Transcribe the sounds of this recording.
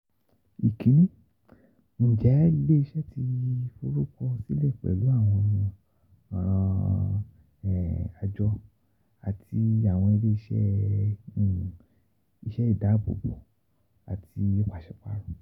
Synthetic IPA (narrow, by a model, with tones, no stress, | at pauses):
i˨kĩ˨˦nĩ˦ | n̩˨d͡ʒɛ˨˦i˧le˦i˧ʃɛ˦ti˧fo˧ɾu˦kɔ˧si˦lɛ˦˨k͡pɛ̰˨lu˨˦a˦˨w̃ɔ̃˧ | ɔ˨ɾ̃ã˧ | ɛ˨a˧d͡ʒɔ˦ | a˨ti˧a˨w̃ɔ̃˧i˧le˦i˧ʃɛ̰˦˨ | i˧ʃɛ˦i˦˨da˨˦bo̰˨bo˨ | a̰˨ti˧o˦kʷa˦˨ʃɛ˨k͡pa˦ɾũ˦˨